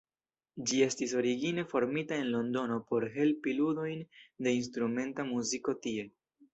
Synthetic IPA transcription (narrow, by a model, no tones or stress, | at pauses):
d͡ʒie̞stiso̞ɾiɡine̞fo̞ɾmitae̞nlo̞ndo̞no̞po̞ɾɦe̞lpiludo̞jnde̞ins̬tɾume̞ntamuziko̞tie̞